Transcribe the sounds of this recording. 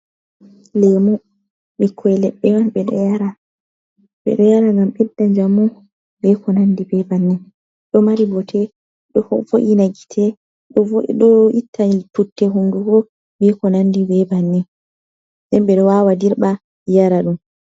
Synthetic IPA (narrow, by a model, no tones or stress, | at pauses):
lɛmɔ | ɓɛkʰːɔɛlɛɓːɛmanɓɛɗɔ̰jaɾa | ɓɛ̰ɗɔjaɾaŋɡamɓɛdːaɲd͡ʒamɔ | bɛkʰɔnandibɛbanːɛ | ɗɔmaɾibɔtʰɛ | ɗɔfoʔinaɡi̥tʰɛ | ɗɔɗɔitʰːaiputːɛɦuŋɡuɡɔ | bɛkɔnandibɛbanːɛ | ɗɛnɓɛɗɔwawadiɾɓa | jaɾaɗum